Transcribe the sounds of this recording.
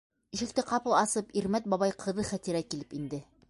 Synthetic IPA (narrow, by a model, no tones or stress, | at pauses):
iʃɘ̆k̚t̪ɘqɑpɤlˠɑsɤpiɾmæt̪̚bɒβɑjqʰɤ̆ðɤχæt̪iɾækilɘpind̪ɘ